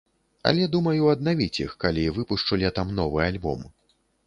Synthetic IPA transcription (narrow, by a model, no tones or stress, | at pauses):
ɐ̰lʲɛd̪umɐjuɐd̪navʲit͡sʲixkalʲivɨpuʂt͡ʂɐlʲɛt̪amnɔvɨalʲbɔ̰m